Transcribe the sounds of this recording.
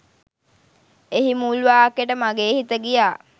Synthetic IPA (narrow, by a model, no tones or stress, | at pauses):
eɦimulʋaːkeʈəmaɡeːhit̪əɡijaː